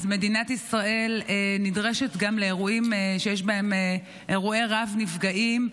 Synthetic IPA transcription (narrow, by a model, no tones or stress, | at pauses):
zme̞dinat̪isʁae̞lenidʁe̞ʃet̪ɡamleːʁuimeʃejeʃbahe̞me | ʔeʁueʁavnifɡaʔim